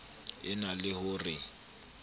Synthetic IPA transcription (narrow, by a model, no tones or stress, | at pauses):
ɪnalɪhʊrɪ